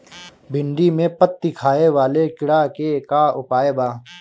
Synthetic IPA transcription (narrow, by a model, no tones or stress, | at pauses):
bɪ̃ɳɖimẽpət̪̚ːikʰaːeʋaːlekɪɽakekaʊpaːebaː